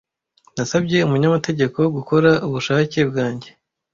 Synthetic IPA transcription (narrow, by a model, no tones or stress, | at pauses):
nasabɟe̞umuɲamate̞ɟe̞ko̞ɡuko̞ɾaʔuβuʃace̞bɡaːɲɟe̞